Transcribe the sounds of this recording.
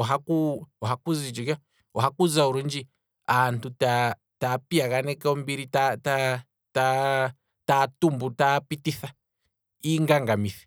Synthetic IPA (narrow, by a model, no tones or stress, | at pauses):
aɦakuwɔɦakuzid͡ʒuka | waɦakuzauɾund͡ʒi | antʰuta | tapiakanɛkɛɔmbiɾitata | ta | tatumbutapitiθa | iŋɡaŋɡamiθi̥